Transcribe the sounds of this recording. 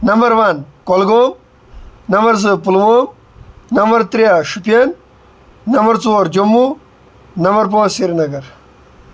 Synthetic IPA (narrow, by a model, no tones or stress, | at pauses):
nɐmbɐɾʋɐnkolɡoːm | nɐmɐɾz̬ɨp̬ulʋoːm | nɐmbɐɾt̪ɾijaʃupijɐnː | ɐmbɐɾt͡soːɾd͡ʒomːu | nɐmbɐɾpõːsiɾnɐɡɐɾ